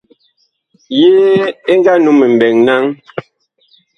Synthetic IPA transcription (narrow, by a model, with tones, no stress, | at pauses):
jeː˦e˦ŋ˦ɡa˦nu˨˦me˨m̩˨bɛ˨ŋna˦ŋ